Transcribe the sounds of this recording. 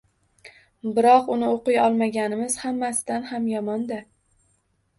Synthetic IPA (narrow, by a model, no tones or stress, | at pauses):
bɪɾɒqʊnɪoqʊjɒlˠmaɡʲanɪmɪz̥hamːasɪd̪anhamjɒmɒnd̪a